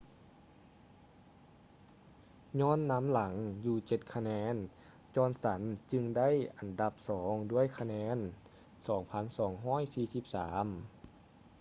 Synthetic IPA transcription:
ɲɔː˥˨nːa˧˥mla˩˦ŋjuː˧t͡ɕe˧˩t̪̚kʰa˧nɛː˧˥n | t͡ɕɔː˧˥˨nsa˩˦nt͡ɕɯ˧ŋda˥˨jʔa˨˩nda˧p̚sɔː˩˦ŋdu˥˩əjkʰa˧nɛː˧˥n | sɔː˩˦ŋpʰa˧˥˨nsɔː˩˦ŋɦɔː˥˩˨jsiː˧˩si˧˦p̚saː˩˦m

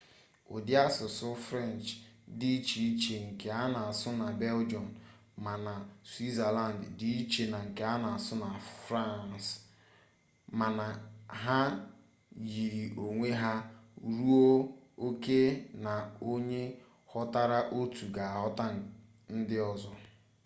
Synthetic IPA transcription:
o̰˨di˦a˦sʊ˨sʊ˦fɾɛ˦˨nt͡ʃdi˦t͡ʃi˨i˦t͡ʃe˨ŋ̩˨ke˨a˦na˨a˨sʊ˦na˨be˦ld͡ʒɔ˨n | ma˨na˨swi˦za˨la˦˨n˨ddi˦i˦t͡ʃe˨na˨ŋ̩˨ke˨a˦na˨a˨sʊ˦na˨fɾa˦˨ns | ma˨na˨ɦa˦ | ji˨ɾi˨ʔo˨ŋʷe˦ɦa˦ɾu˦o˦o˦ke˦na˨o˦ɲe˦ | hɔ˦ta˦ɾa˦ʔo˦tu˨ɡa˨a˨ɦɔ˦ta˦ | n̩˦dɪ˦ɔ˨zɔ˦

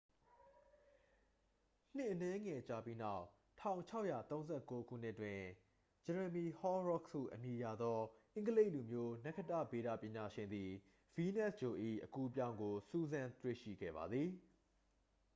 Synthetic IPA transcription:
n̥ɪ̃˦˨ʔənɛ˦ŋɛ˨t͡ɕa˦˨pi˦na˦˨ʊʔ | tʰã˦˨ʊ̃ɲt͡ɕʰa˦ʊʔjä̰˦˨t̪õ˦ʊ̃nzɛ˦˨ko˦kʰṵ˦˨n̥ɪ˦ʔtwɪ̃˨ | d͡ʑɛ˨ɹə˨mi˨hɔ˦ɹɔ˦˨kṵ˦˨ʔəmji˨ja̰˦˨d̪ɔ˦ʔɪ̃˦ŋɡəle˦ɪʔlu˨mjo˦nɛ˦ʔkʰə˦˨tä̰˦˨be˨ɾä̰˦˨pjɪ̃˨ɲa˨ʃɪ̃˨nd̪i˨ | vi˦nɛ˦˨sd͡ʑo˨ʔḭ˦˨ʔəku˦p̬jã˦ʊ̃ŋɡo˨su˦zã˦t̪wḛ˦˨ʃḭ˦˨ɡɛ̰˦˨ba̰˨d̪ði˨

